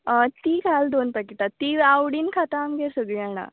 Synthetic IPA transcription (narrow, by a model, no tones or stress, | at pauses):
ət̪iːkʰald̪onpakit̪at̪ːiawɽiːnkʰat̪amɡeɾsəɡɭiaɽ̃a̰